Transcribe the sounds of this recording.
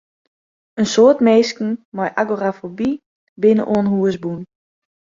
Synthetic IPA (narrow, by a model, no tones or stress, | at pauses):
ənsoːtmeːskn̩mɔjʔa̰ɡorafobi | bɪnə̰ʔoənɦuəsbun